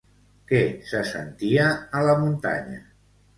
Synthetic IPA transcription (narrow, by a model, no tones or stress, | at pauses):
kɛsəsə̰nt̪iəːləmunt̪a̰ɲə̰